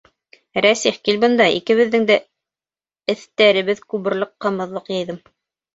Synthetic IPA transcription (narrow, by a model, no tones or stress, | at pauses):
ɾæsiχkilʲbɤ̆nd̪ɑḭkɘ̆βɘ̆ðːɘŋd̪æ | ɘ̆θt̪æɾɘ̆βɘðkʉβɘ̆ɾlˠɤqːɑ̆mɤ̆ðlˠɤqjɑ̆jðɤm